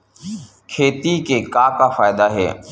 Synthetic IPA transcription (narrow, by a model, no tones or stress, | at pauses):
kʰeːt̪ikekaːkafaːɪd̪aːɦḛː